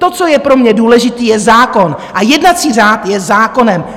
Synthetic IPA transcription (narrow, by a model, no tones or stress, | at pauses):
t̪o̞t͡so̞jɛpɾo̞mɲɛduːlɛʒɪt̪iːjɛzaːko̞nʔajɛdnat͡siːraːt̪jɛzaːko̞nɛm